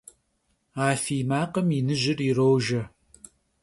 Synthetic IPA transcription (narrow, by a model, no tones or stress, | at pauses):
aːfiːmaːqəminɨʑɪrirowʒɐ